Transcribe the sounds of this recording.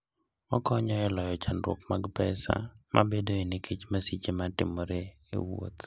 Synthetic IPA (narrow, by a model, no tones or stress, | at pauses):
ɔkɔɲɔɛlɔjɔt͡ʃanɾwɔ̰kmaɡpɛsa̰mʔa̰bedoenɪkʰet͡ʃmasit͡ʃematɪmɔɾe | ḛwo̰t̪